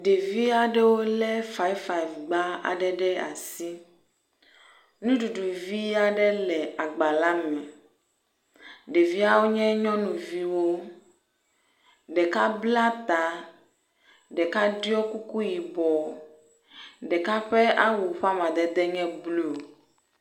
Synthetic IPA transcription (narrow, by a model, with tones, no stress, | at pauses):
ɖe˨vi˦a˦ɖɛ˦wo˦lɛ˦fa˨jfa˨vɡ͡ba˦a̰˨ɖɛ˨ɖɛ˦a̰˨si˦ | nũ˦ɖu˨ɖu˨vi˦a˨ɖɛ˦lɛ˨a˨ɡ͡ba˨la˦mɛ̃˨ | ɖe˨vi˦a˦wo˦ɲɛ̃˦ɲɔ̃˦nũ˨vi˦wo˦ | ɖɛ˨ka˦bla˦t̪a˨ | ɖɛ˨ka˦ɖi˦ɔ˦ku˦ku˦ji˨bɔ˨ | ɖɛ˨ka˦ɸɛ˦ʔa˦wu˨ɸa˦mã˨d̪ɛ˨d̪ɛ˦ŋɛ̃˦blu˦˨